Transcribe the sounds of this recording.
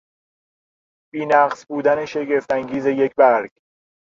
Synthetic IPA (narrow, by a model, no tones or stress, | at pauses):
b̥iːnæɢsbuːd̪æneʃe̞ɡe̞ft̪æŋɟiːze̞je̞cʰbæɾɡ̥